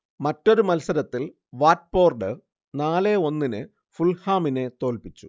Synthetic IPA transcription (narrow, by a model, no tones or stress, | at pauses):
mɐtːo̞ɾumɐlsɐɾɐt̪ːil | ʋaːt̚po̞ːrɖɨ | naːleo̞nːinɨ | fulhaːmine̞t̪o̞ːlpit͡ɕːu